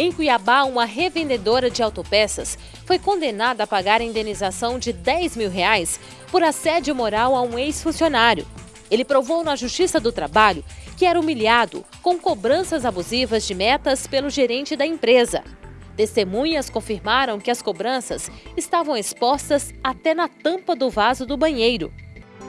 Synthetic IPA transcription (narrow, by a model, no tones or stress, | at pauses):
ẽj̃kuiabaũmɐɦevẽnd̪ed̪oɾɐd͡ʒɪawt̪opɛsɐs | fojkõnd̪enad̪ɐːpaɡaɾɐĩnd̪enizasɐ̃w̃d͡ʒɪd̪ɛjzmiwɦeajs | poɾɐsɛd͡ʒɪmoɾawɐũejsfũsionaɾjʊ̰ | elɪpɾovownɐʒust͡ʃisɐd̪ʊt̪ɾabaʎʊkɪɛɾɐumiliad̪ʊ̰ | kõw̃kobɾɐ̃sɐzabuzivɐzd͡ʒɪmɛt̪ɐspelʊʒeɾẽnt͡ʃɪd̪ɐẽpɾezɐ̰t̪est̪emũɲɐskõfiɾmaɾɐ̃w̃kɪɐskobɾɐ̃sɐsɪst̪avɐ̃w̃espɔst̪ɐsat̪ɛnɐt̪ɐ̃pɐd̪ʊvazʊd̪ʊbɐ̃ɲejɾʊ̰